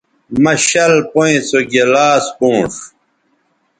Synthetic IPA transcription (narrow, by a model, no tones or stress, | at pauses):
mɐɕɐlpoĩt͡soɡelaːspũːʂ